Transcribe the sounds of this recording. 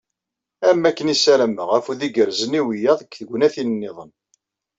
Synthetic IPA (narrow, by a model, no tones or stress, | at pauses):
æmːækːənisælæmːəʁæfuðiɡəɾzəniwijæðəkːθəɡʷːnæθinənːɪðˤən